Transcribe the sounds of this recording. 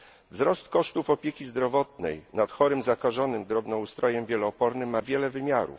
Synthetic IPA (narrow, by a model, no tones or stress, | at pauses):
vzɾɔst̪kɔʂt̪ufɔpʲjekʲizd̪ɾɔvɔt̪̚nɛ̰jnat̪xɔɾɘmzakaʐɔnɘmd̪ɾɔbnɔust̪ɾɔjɛmvʲjɛlɔːpɔɾnɘmːavʲjɛlɛvɘmʲjaɾṵf